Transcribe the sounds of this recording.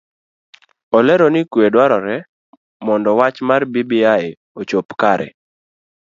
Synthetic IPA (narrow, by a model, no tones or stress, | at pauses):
ɔlɛɾɔnikwedwaɾɔɾɛ | mɔndɔwat͡ʃmarbibiaɪ | ot͡ʃopkaɾɛ̰